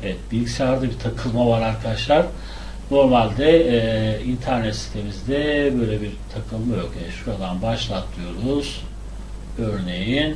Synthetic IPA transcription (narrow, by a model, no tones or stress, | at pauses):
evɛt̪̚bilʲɡisaɾd̪ɯbit̪ʰakʰɯlˠmavaɾaɾkʰad̪aʃlˠaɾ̥ | no̞ɾmalʲd̪ɛ | int̪ʰæɾnɛt̪si̥t̪ʰe̞mizd̪ɛbø̞jlʲebiɾt̪ʰakʰɯlˠmajo̞kjɛʃuɾad̪anbaʃlˠat̪ʰːɯjo̞ɾuz̥ | øɾne̞jin